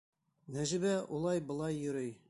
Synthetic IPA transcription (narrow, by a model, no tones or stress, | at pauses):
næʒɘ̆bæʔulˠɑjbɤ̆lˠɑjːɵ̆ɾɘj